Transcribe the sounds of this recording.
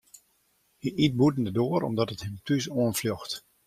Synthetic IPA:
iʔit̚butn̩dədoəɾɔ̰mdɔtəthɪmtʰys̬oənfljoxt

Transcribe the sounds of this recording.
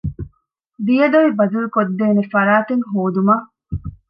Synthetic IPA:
d̪ijɐd̪oʋibɐzɐɾukod̪ːeːnefɐɾaːt̪eŋɦoːd̪umaː

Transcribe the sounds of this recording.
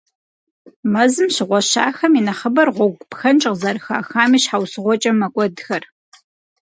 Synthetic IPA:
mɐzɨmɕɪʁʷɔʃa̰ːxɐminɐχɐbɐrʁʷɔɡʷʼpxɐnt͡ʃʼɪqzɐɾxa̰ːxaːmiːɕħawsɨʁʷɔt͡ʃʼɐmɐkʷʼɔdxɐr

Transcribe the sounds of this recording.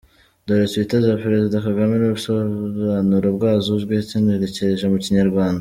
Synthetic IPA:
d̪oɾet͡sβitaziapɾe̞zidakaɡamenuɾusoβaːnuɾobɡaːzuβɡehcineɾeceɾeʒemuciɲaɾɡwaːnda

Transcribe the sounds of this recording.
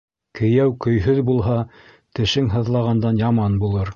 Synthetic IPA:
kɘ̆jæwkɵ̆jɦɵðbulˠɦɑ | t̪ɘ̆ʃɘŋɦɤ̆ðlˠɑʁɑnd̪ɑnjɑmɑnbulˠɤɾ

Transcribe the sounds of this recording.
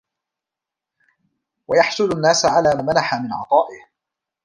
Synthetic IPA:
wajɑħsʊlʊnːaːsaʕalaːmanaħamɪnʕɑ̰t̪ˤɑːʔɪh

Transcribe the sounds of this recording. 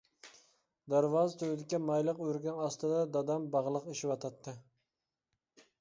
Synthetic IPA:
d̪æɾvɑːzt̪ʰøwɪd̪ɪkʲːɛmɑjlˠəqøɾɡʲænɑst̪ɨd̪ɑd̪ɑd̪ɑmbɑʁlˠəqeʃɪwɑt̪ʰɑt̪ʰːɨ

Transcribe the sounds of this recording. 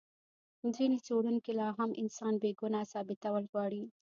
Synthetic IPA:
zinit͡soɽunkelɑɦamʔɪ̰nsɑnbeɡunasɑbɪt̪awəlɣwɑɽi

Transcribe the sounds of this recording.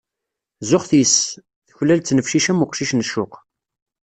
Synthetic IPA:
zʊχθis | θəçlːælt͡sːnəfʃiʃæmʊqʃiʃnəʃʊq

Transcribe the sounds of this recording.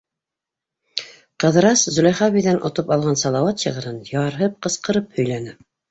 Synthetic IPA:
qɤ̆ðɤ̆ɾɑszɵ̆lʲæjχɑβiðænʔŏt̪opɑlˠʁɑnsɑlˠɑwɑt̪ɕɤ̆ʁɤ̆ɾɤnjɑɾɦɤp̚qɤ̆sqɤ̆ɾɤp̚hɵ̆jlænɘ

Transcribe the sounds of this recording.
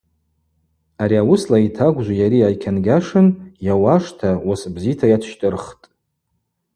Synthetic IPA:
aɾiawʊslaitʰaɡʷʒʷajaɾiajkʲʰanɡʲaʂɨnjawaʂtʰawasbzitʰajatʰʃtʼɨrχtʼ

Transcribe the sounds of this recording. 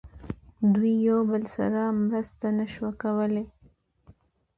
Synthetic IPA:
d̪wijawbəlsa̰ɾamɾəst̪anaʃwakawəle

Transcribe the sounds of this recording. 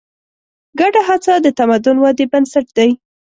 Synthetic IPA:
ɡaɖaɦat͡sad̪ət̪amad̪ʊnwɑd̪ebansaʈ̚d̪aj

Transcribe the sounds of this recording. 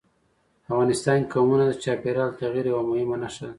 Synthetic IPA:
afɣɑnɪst̪ɑnkɑmunad̪ət͡ʃɑpeɾɑlt̪aɣiɾjawamʊhɪmanaʃal

